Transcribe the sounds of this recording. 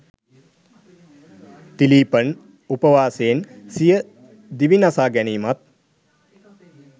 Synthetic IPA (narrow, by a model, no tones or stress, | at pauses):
t̪iliːpən | upəʋaːseːnsijə | d̪iʋinasaːɡæniːmat̪̚